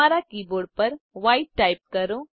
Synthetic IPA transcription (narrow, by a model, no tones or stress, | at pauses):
aːɾakiːboːɾɖpɐɾʋaːiʈːaːɪp̚kɐɾõ